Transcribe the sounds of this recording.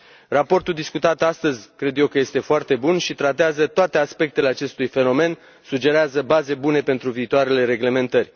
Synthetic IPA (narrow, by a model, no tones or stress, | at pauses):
rapo̞rt̪uld̪iskut̪at̪ast̪əzʲkɾe̞d̪je̞wkəje̞st̪e̞foart̪e̞bunʃit̪ɾat̪eazət̪oat̪e̞aspe̞k̚t̪e̞leat͡ʃe̞st̪ujfe̞no̞me̞n | sud͡ʒe̞ɾeazəbaze̞bune̞pe̞nt̪ɾuviːt̪oaɾe̞le̞ɾe̞ɡle̞me̞nt̪ərʲ